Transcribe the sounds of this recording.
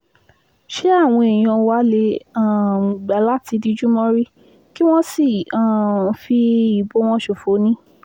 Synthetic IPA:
ʃe˦a˦˨w̃ɔ̃˧e˨j̃ã˧wa˦le˧˦ã˨ɡ͡ba˨˦la˦ti˧di˧d͡ʒu˦mɔ̃˧ɾi˦ | ki˦w̃ɔ̃˦si˦˨ã˨fi˧i˨bo˨˦w̃ɔ̃˧˦ʃo˨fo˨˦nĩ˦

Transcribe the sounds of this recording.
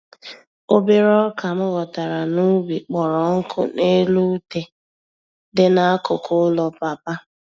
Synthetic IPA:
o˦be˦ɾɔ˦ka˨mʊ˦ɣɔ˨ta˨ɾa˨nu˦bi˨k͡pɔ˨ɾɔ˨ŋ̩˦kʰʊ̰˦ne˦lu˦te˦ | dɪ˦na˦a˦kʊ˨kʰʊ˦lɔ˨pa˨pa˦

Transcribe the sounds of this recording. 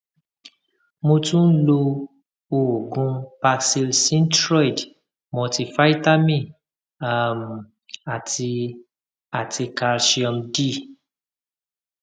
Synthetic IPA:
mõ˧tũ˦n̩˦lo˧ | o˧o˨ɡũ˧pa˧si˧lsĩ˦n˦tɾɔ˦i˨d | mɔ̃˧ti˧fa˦i˦ta˦mĩ˦˨ | a˦˨m˨ | a˨ti˧ | a˨ti˧ka˧ɾʃi˧ɔ˧mdi˦˨

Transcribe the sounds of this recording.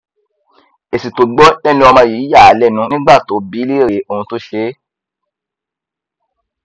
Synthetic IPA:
e˨si˨to˨ɡ͡bɔ˦ɛ˦nĩ˧˦ɔ˧mã˧˨ji˨˦ja˦˨a˨lɛ˦˨nũ˨˦nĩ˦ɡ͡ba˦˨to˨˦bi˨˦le˦˨ɾe˨˦o˧˨ũ˧to˦ʃe˦

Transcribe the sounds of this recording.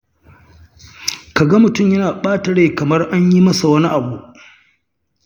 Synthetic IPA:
ka˨ɡɐ˦mʊ˨tʊ˦˨mjɐ˦naː˨ɓaː˦tɐ˨ɽeː˦˨kɐ˨mɐ˦rʔa˦ɲji˦mɐ˦sa˨wɐ˦ni˦ʔa˨buː˦ʔ

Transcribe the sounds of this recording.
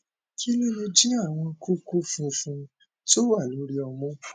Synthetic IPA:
ki˦lɔ˦lo˧d͡ʒi˦a˦˨w̃ɔ̃˧ku˦ku˦fũ˧fũ˧ | to˦wa˦˨lo˨˦ɾi˧ɔ˧mũ˦

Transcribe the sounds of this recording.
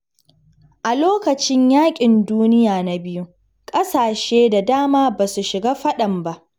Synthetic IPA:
ʔa˨loː˦kɐ˨t͡ʃɪ˦ɲjaː˦kʲʼɪ˨nduː˦nɪ˦jaː˨na˨bɪ˦ju˦ | kʼɐ˦saː˨ʃeː˦da˨daː˦maː˦ba˨su˨ʃɪ˨ɡaː˦ɸɐ˦ɗɐ˨mba˦ʔ

